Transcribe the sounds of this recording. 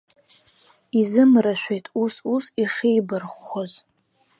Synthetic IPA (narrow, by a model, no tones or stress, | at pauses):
izɨmraʃʷᶣejtʼususiʂejbɨrχʷːoz